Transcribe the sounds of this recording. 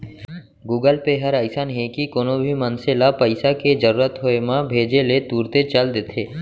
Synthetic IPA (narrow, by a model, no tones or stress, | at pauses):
ɡuːɡəlpeɦəɾaɪsanɦekikoːnõbʱimənselapəɪsakezəɾuːɾət̪ɦoemãbʱeːd͡ʒelet̪uːɾt̪et͡ʃəld̪et̪ʰeː